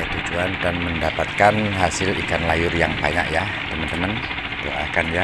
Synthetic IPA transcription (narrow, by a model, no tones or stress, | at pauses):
t̪ud͡ʒuand̪anməndapat̪̚kanɦasɪlikanlajʊrjaŋbaɲa̰ʔja | t̪əmant̪əman | t̪o̰a̰kanja